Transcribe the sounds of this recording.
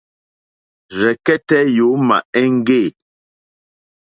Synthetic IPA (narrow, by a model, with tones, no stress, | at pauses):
zɛ˨kɛ˦tɛ˦jo˨˦ma̰˨ɛ˦ŋ˦ɡe˦˨